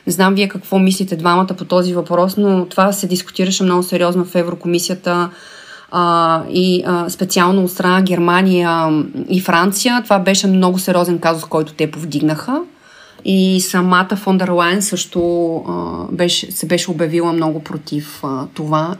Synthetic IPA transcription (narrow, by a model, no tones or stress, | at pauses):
znamviɛkɐkvɔmislit̪ɛd̪vamɐt̪əpot̪ɔzivɐpɾɔsnot̪ovasɛd̪iskʊ̥t̪iɾəʃɛmnɔɡʊsɛɾiɔznofɛvɾokomisijət̪ə | ispɛt̪sialˠnoːt̪st̪ɾɐnaɡʲɛɾmanijəifɾant̪sijət̪ovabɛʃɛmnɔɡʊsɛɾʲiɔzɛnkazʊskɔjt̪ʊ̥t̪ɛpovd̪iɡnəxə | isɐmat̪əfɔnd̪ɛɾlˠajnsɤʃt̪ʊə̰bɛʃɛsɛbɛʃɛobjɐvilˠəmnɔɡʊpɾot̪ift̪ova